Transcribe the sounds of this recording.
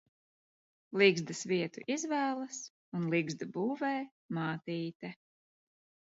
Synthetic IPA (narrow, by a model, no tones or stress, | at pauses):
lˠiɡzd̪ɨsviɛt̪ṵʔizvæːlˠɐs | unlˠiɡzd̪abuːvɛj | maːt̪iːt̪ɛ